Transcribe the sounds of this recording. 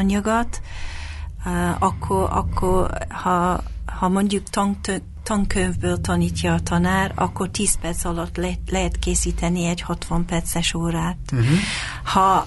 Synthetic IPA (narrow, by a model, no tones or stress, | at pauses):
ɒɲɒɡɒt̪ | ɒkʰːoɒ̰kʰːorhɒhɒmo̞ɲɟukt̪ɒŋ | t̪ɒŋkøɱvbøːlt̪ɒniːcːɒːt̪ɒnaːrɒ̰kːort̪iːspɛrt̪sɒlɒt̪ːlɛlɛɦɛt̪keːsiːt̪ɛniɛɟhɒt̪ʋɒmpɛrt̪sɛʃoːɾaːt̪ | hɒ